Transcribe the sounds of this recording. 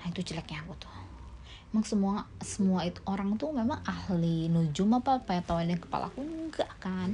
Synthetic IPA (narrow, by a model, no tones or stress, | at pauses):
nait̪ut͡ʃəlɛkɲakut̪u̥ | memaŋsəmuasəmuait̪oɾaŋt̪umemaŋahlinud͡ʒʊmapapajat̪awanakə̥pa̰lʔa̰kuŋɡaʔkan